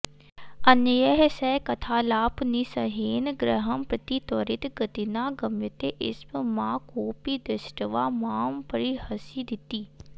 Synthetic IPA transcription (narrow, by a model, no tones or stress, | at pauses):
ɐnəjəɦsɛkɐt̪ʰaːlaːpniːsɐɦeːnɡɾəɦəmpɾət̪it̪ɔːɾɪt̪ɡət̪inaːɡəmjət̪eʔɪ̰sbmãːkoːpiːd̪ɪsʈəʋaːmaːmpəɾihɐsid̪ɪt̪iː